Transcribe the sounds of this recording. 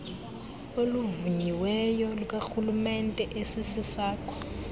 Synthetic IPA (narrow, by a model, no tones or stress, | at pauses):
oluvuɲiwɛjɔluk̬ʼaxulumɛntʼɛʔesisisaːkʰʼɔ̥